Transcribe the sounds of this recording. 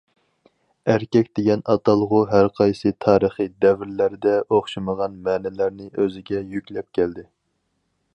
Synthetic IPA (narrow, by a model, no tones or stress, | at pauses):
æɾkʲɛkʲd̪̥eɡʲɛnɑt̪ʰɑlˠʁʊɦæɾqʰɑjsɨt̪ʰɑːɾəχijd̪ɛvɪɾlæɾd̪ɛʔoχʃɨməʁɑnmɛːnɛlæɾnɪʔøzɪɡʲɛjykʲlɛp̚kʲʰɛld̪ɪ